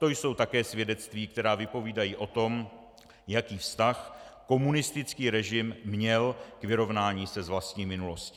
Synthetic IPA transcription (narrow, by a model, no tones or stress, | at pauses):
t̪o̞jso̞wt̪akɛːsvjɛdɛt̪t͡st̪viːk̚t̪ɛɾaːvɪpo̞viːdajiːʔo̞t̪o̞m | jakiːfst̪axko̞munɪst̪ɪt͡skiːɾɛʒɪmːɲɛlkvɪɾo̞vnaːɲiːsɛzvlast̪ɲiːmɪnulo̞sci